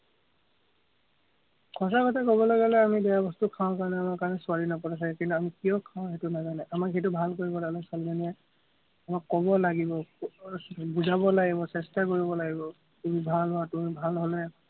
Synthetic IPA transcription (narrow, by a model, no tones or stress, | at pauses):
kʰɔs̬akɔtʰakɔbɔlaɡɛlɛamidɛjabɔstukʰãʊ̃kaɹɔnɛamakaɹɔnɛsʊaɹinɔpɔtas̬aɛkintuamikijɔkʰãʊ̃xetunazanɛʔamakɦet̬ubʱalkoɹibɔlaɡɛlɛsalizaniɛ | amakːɔbɔlaɡibɔ | buzʱabɔlaɡibɔsɛstakoɹibɔlaɡibɔ | kubibʱalɦɔatumibʱalɦolɛ